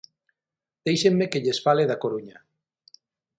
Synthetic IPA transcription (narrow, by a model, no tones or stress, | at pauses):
d̪̥ejʃemːekeʎesfaleðakoɾuɲa